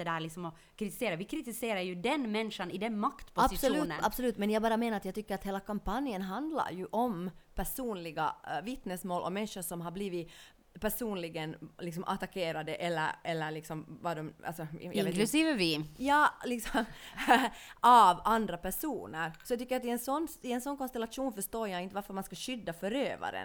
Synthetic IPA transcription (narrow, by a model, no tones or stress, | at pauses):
ɛd̪æːɾɭɪksɔmɔ | kʰɾɪt̪ɪ̥seːɾaʋɪkʰɾɪt̪ɪseːɾaɾjʉd̪ɛnmɛnʂanɪd̪ɛnmakt̪pʰʊbsɪsuʉːnə̰nab̥sɔlʉːt̪mɛnjaɡbɑːɾameːnaɾat̪jaɡt̪ʰʏkːəɾat̪heːlakʰampanjənɦand̪la̰ɾjʉʔɔmpʰæʂuːnlɪɡa̰vɪt̪nɛsmoːlʔɔ̰mɛnʂəʂɔmɦabliːvɪ | pæʂuːnlɪɡənlɪksɔmʔa̰t̪akʰeːɾad̪əʔɛlːə̰ɾɛlːəɾɭɪksɔmvadɔma̰lsɔjaeːklʉsiːvəvɪjɑːlɪksɔm | ʔavand̪ɾapæʂuːnəɾsɔjaɡt̪ʏkːəɾjat̪ɪɛnsɔnːɪɛnsɔnːkɔnst̪ɛlat̪ʂuːnfœʂt̪oːɾjaɪnt̪əʋaɾfœɾmanskaɕʏd̪ːafœɾøːva̰ɾə̰n